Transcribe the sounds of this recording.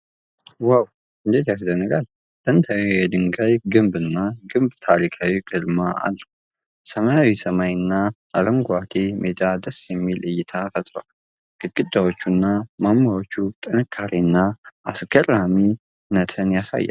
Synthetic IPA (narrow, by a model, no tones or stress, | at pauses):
waw | ɨnd̪e̞t̪jas̬dənːəɡal | t̪ʼənt̪ʰawejɛd̪ɨŋɡajɡɨmbɨnːaɡɨmbt̪ʰaɾikʰawiɡɨlmaa̰lːəw | səmajawisəmajɨnːaʔaɾəmɡat̪ʰemʔed̪ad̪əsjɛmːilɨjːɪt̪ʰafət̪ʼɾa̰l | ɡ̥ɨkʼːɨd̪ːawot͡ʃːunːamamːawo̞t͡ʃːut̪ʼɨnɨkʰːaɾiɨnːaasɡ̥ərami | nət̪ʰənjasa̰jːa̰